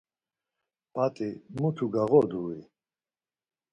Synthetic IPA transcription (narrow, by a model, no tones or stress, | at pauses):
pʼat̪ʼimut̪ʰuɡaɣɔd̪ui